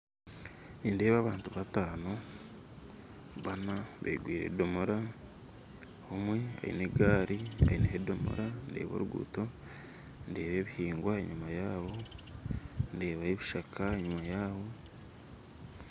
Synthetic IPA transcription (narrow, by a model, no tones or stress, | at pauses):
niːnde̞ːβaːβaːntuβataːno̞ | βanaβḛɡwiːɾḛdo̞moɾa | homwe̞a̰ḭne̞ɡaːɾia̰ineɦedo̞mo̰ɾande̞̰ːβo̞̰ːɾuɡṵːto̞ | nde̞ːβe̞ːβihiːŋɡwaeɲumajaːβo̞ | nde̞ːβaeβiʃakʰaeɲumajaːβo̞